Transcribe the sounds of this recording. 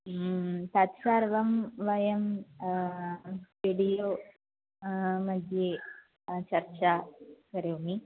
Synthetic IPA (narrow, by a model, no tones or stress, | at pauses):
t̪ɐt̪saɾʋɐmʋɐjɐm | ʋiɽijoː | mɐd̪ʱje | t͡ʃɐɾt͡ʃakɐɾeʋmi